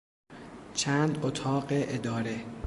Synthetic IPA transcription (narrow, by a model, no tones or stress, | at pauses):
t͡ʃʰæːnd̪ot̪ʰɒːɢeʔed̪ɒːɾe